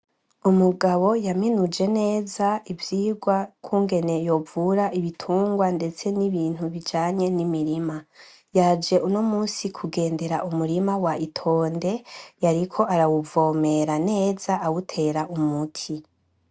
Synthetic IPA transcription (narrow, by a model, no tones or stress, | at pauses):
umuɡaβo̞jaminud͡ʒe̞ne̞ːzaivjiːɡwakʰuːŋɡe̞ne̞jo̞vuɾaʔiβitʰuːŋɡwande̞t͡se̞niβiːn̥huβid͡ʒaːɲe̞nimiɾima | jaːd͡ʒe̞ʔuno̞muːsikʰuɡe̞ːnde̞ɾaʔumuɾimawaitʰo̞ːnde̞jaɾikʰo̞ʔaɾawuvo̞ːme̞ɾane̞ːzaawutʰe̞ːɾaʔumutʰi